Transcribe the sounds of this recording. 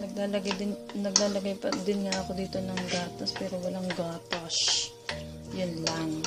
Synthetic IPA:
nɐɡ̚laːlɐɡad̪ɪnɐɡ̚laːlɐɡajpɐd̪ɪnŋaɐko̞d̪iːt̪o̞nɐŋɡ̪aːt̪ɐspɛːɾowɐlaŋɡaːt̪os | jʊnlɐŋ

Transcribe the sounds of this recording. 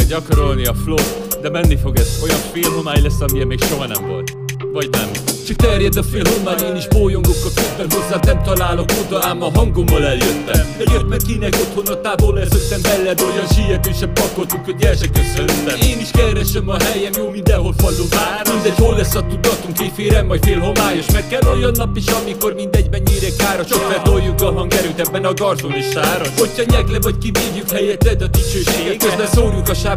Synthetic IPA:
ɟɒkoɾo̞lniɒflot̪ | d̪ɛmɛnːifo̞ɡɛzo̞jɒɱfeːlɦo̞maːjlɛsːɒmiɛmeːkʃo̞ɦɒnɛ̰mvo̰lt̪ | vɒɟnɛ̰mt͡ʃɒk̚t̪ɛrjɛd̪ɒfeːlɦo̞maːjeːniʒboːjoŋɡokːɒlkøzbɛnho̞zːaːt̪nɛmt̪ɒlaːlo̞kod̪ɒaːmːɒɦɒŋɡo̞mːɒlɛljøt̪ːɛ̰ɛɟøt̪mɛŋkinɛko̞t̪ho̞nːɒt̪aːvolːɛsøkt̪ːɛmbɛlːɛd̪ojɒnʃijɛd̪eːʃɛmpɒko̞lt̪uŋkʰːoɟɛlʃɛkøsølt̪ːɛmeːniʃkɛɾɛʃɛmɒɦɛjɛmjoːmind̪ɛɦolfɒlopaːɾmind̪ɛɟholːɛsːɒt̪ud̪ːɒt̪uŋkefeːɾɛmːɒɟfeːlɦo̞maːjoʃmɛkɛlojonːɒpiʃɒmiko̞rmind̪ɛɟmɛɲːeɾɛkaːɾoʃokbɛt̪ojːukɒɦɒŋɡɛɾyːt̪ɛbːɛnɒɡɒrzoniʃaːɾɒhochɒɲɛɡlɛvɒckiviːvjykhɛjɛt̪lɛd̪ɒd̪it͡ʃøːʃeːeɡɛɡkøzbɛsoːɾjukɒʃaː

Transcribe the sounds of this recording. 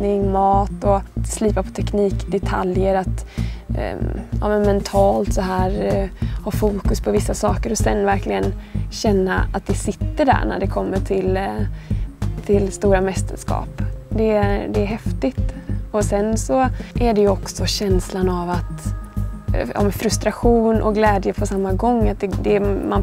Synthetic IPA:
nɪŋmɑːt̪ɔsliːpapʰɔ̥t̪ʰɛkniːkd̪ɛt̪ʰaljəɾat̪ | ɑ̰ːmɛnmɛnt̪ʰɑːlt̪sɔɦæːɾhɑːfuːkɵspʰɔvɪsːasɑːkəɾɔsɛnːvæɾklɪɡənɕɛnːa̰a̰t̪̚d̪ɛsɪt̪ːəɖæ̰ɳæ̰ɖɛkʰɔmːəʈʰɪl | t̪ʰɪlst̪uːɾamɛst̪ʰə̰ʂkɑ̰ːpd̪ɛd̪ɛæɾɦɛft̪ɪt̪ɔsɛnsɔʔæɖɛjɵɔksɔɕɛnslanavat̪ | ʔɑ̰ːmɛnfɾɵst̪ɾaɧuːnʔɔ̰ɡlɛːd̪jəpʰɔsamːaɡɔŋːat̪̚d̪ɛd̪ɛman

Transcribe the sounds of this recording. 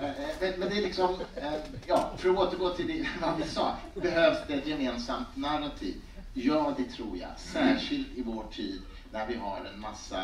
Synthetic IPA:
mɛmɛnd̪ɛælɪksɔmjɑːfœɾoːt̪əɾɡoːt̪ʰɪld̪ɛɛnad̪ɪsɑ̰ː | bɛɦøːvsd̪ɛɛt̪jɛmeːnsamt̪naɾat̪ʰḭːv | jœːd̪ɛt̪ʰɾuːɾja̰sæːʂɪlt̪ɪvoːʈʰiːd̪ | næɾvɪɦaɾɛ̰nmasːa̰

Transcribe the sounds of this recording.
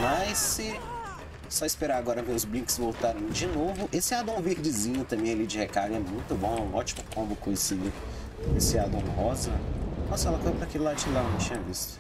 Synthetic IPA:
majsɪ | sɔispeɾaaɡɔɾɐmewzblĩkɪ̥zvowt̪aɾɐ̃w̃d͡ʒɪnovʊʔesɪad̪ɐ̃w̃veɾd͡ʒɪzĩɲʊt̪ɐ̃mbẽj̃alid͡ʒɪhekaɡ̃ɛmũj̃t̪ʊbõw̃ɛũɔt͡ʃi̥mʊkõmbʊkõjesid̪ʊ | esɪad̪ɐ̃w̃ɦɔzɐ̃mɐsɛlɐkojzɐpɾɐkelɪlad͡ʒilanɐ̃w̃t͡ʃĩɲɐvist̪ʊ̥

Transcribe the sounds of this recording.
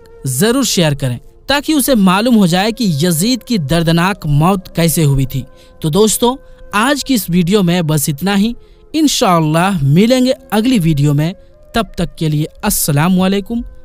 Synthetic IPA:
zɐɾuːɾʃeːjəɾkɐɾḛ̃ː | t̪aːkiʊsemaːluːmɦod͡ʒaːekijɐziːd̪kid̪ɐɾd̪naːkmɔːt̪kɛːseɦʊit̪ʰiː | t̪oːd̪oːst̪õaːd͡ʒkiɪsʋiːɖijomẽbɐsɪt̪naɦi | ɪnʃaːɐlːaːɦmɪlẽːŋɡeɐɡliʋiːɖijomẽ | t̪ɐb̚t̪ɐkːelieɐsːɐlaːmɐleːkʊm

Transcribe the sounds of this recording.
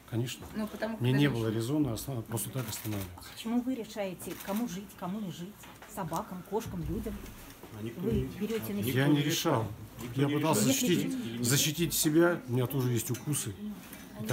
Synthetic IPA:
kɐnʲe̞ʂnənupət̪ɐmɪnʲenʲe̞bɨlˠəɾʲɪzo̞nəɐspɾo̞st̪ət̪akɐst̪ɐnavlʲɪvɪt̪spə̥t͡ɕɪmuvɨɾʲɪʂajɪtʲɪkɐmuʐɨtʲkɐmunʲɪʐɨtʲ | sɐbakəmko̞ʂkəmlʲudʲəm | vɨbʲɪɾʲotʲɪnjanʲɪɾʲɪʂalˠjapɨt̪alˠsəzəɕːɪt̪ʲitʲzəɕːɪtʲitʲsʲɪbʲaʊmʲɪnʲat̪o̞ʐɨjesʲtʲʊkusɨ | t̪

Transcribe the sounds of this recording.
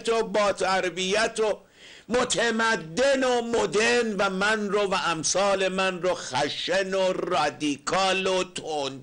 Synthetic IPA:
t̪obɒːt̪ʰæɾbijæt̪ʰo | mot̪ʰemæd̪ːenomod̪eɾnvæmænrovæʔæmsɒːle̞mænroxæʃenorɒd̪ikʰɒːlot̪ʰon

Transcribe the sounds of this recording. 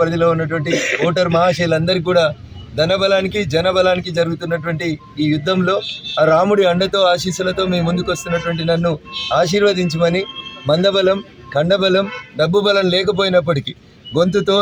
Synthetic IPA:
pɾɐd̪ɐloːunːɐʈ̬uʋɐɳʈiɔːʈɐɾmɐɦaːʂilɐnd̪ɐɾik̬uːɽaː | d̪ɐnɐbɐlaːnikid͡ʒɐnɐbɐlaːnikid͡ʒɐɾuɡut̪unːɐʈuʋɐɳʈiː | jud̪ːɐmlo̞ːaɾaːmuɽiɐɳɖɐt̪o̞ːaːʃiːʃulɐt̪o̞ːmiːmund̪ukʋɐst̪unːɐʈ̬uʋɐɳʈ̬inɐnːuaːʃiːɾʋɐd̪iɲt͡ʃimɐnimɐnd̪ɐbɐlɐm | kɐɳɖɐbɐlɐmɖɐbːubɐlɐmlɛːkɐp̬oːjinɐp̬ːɐʈiki | ɡo̞nt̪ut̪o̞ː

